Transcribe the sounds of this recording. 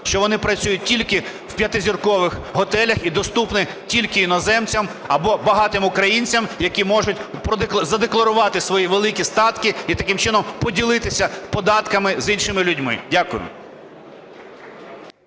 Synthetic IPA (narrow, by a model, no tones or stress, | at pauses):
ʃt͡ʃɔʋɔnɪpɾɐt͡sʲujʊt̚ʲtʲilʲkɪwpʲjɐt̪ɪzʲirkɔʋɪxɦɔt̪ɛlʲɐxid̪ɔst̪upnɪ | tʲilʲkɪjinɔzɛmt͡sʲɐm | ɐbɔbɐɦɑt̪ɪmʊkɾɐjinʲt͡sʲɐmjɐkʲimɔʒʊt̚ʲpɾɔd̪zɐd̪eklˠɐɾʊʋɑt̪ɪsʋɔjiʋelˠɪkʲist̪ɑt̪kɪit̪ɐkɪmt͡ʃɪnɔmpɔdʲilˠɪt̪ɪsʲɐpɔd̪ɑt̪kɐmɪzinʲʃɪmɪlʲʊdʲmɪ̰dʲakʊjʊ̰